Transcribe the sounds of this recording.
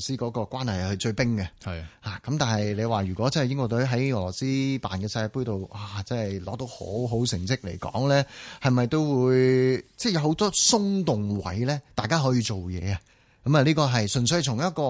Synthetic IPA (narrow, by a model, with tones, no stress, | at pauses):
siː˥kɔː˨˥kɔː˧kwʷaː˥nhɐ˨jhɵ˧ɥt͡sɵ˧ɥpɪ˥ŋɡɐ˧˨haː˨kɐ˨˦mt̪aː˨nhɐ˨jle˨˧jwaː˨ɥyː˨˩kʷɔː˨˦˥t͡sɐ˥nhjɪ˥ŋkʷɔː˧t̪ɵ˨˥ɥɦɐ˨˥jŋɔː˨˩lɔː˨˩siː˥paː˨nkɛː˧sɐ˧aː˧puː˥jt̪o˨wʔaː˨˩t͡sɐ˥hɐ˨jlɔ̰ː˨˥t̪o˨˥who̰˨˥wɦo˨˥wsɪ˨˩ŋsɪ˥k̚lḛ˨˩jkɔ̰ː˨˥ŋlɛː˥hɐ˨jmɐ˨jt̪o˥wwuː˨˧jt͡sɛ˥˩jɐ˨who˨˥wt̪ɔː˥sʊ˥ŋt̪ʊ˨ŋwɐ̰˨˥jlɛː˥t̪aː˨jkaː˥ɦɔː˨˥jiː˧t͡so˨wjɛ̰ː˨˧ɐ˨ | kɐ˨˥mɐː˨˧liː˥kɔː˧ɦɐ˨jsɵ˨˩nsɵ˧ɥhɐ˨˩t͡sʰʊ˨˩ŋjɐ˥t̚kɔː˧